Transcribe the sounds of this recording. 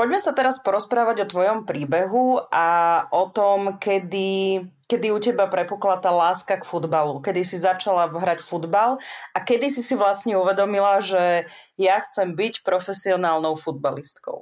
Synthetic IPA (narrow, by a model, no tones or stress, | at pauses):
pɔɟmɛsat̪ɛɾaspɔɾɔspɾaːʋaɟɔt̪ʋɔjɔmpɾiːbɛɦuʔaʔɔt̪ɔmkɛd̪i | kɛd̪iucɛbapɾɛpuklat̪aːlaːskakfud̪balukɛd̪isizat͡ʃalaɦɾacfud̪balakɛd̪isisiʋlasɲɛuʋɛd̪ɔmilaʒɛ | jaxt͡sɛmbicpɾɔfɛsiɔnaːlnɔʊfud̪̚balist̪kɔ̰ʊ